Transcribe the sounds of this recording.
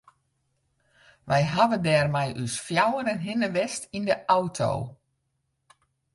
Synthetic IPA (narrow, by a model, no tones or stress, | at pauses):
ʋɛjɦaʋəndɛːrmɛjʔysfjawəɾənɦɪnəʋɛstindəʔawtʰo̰w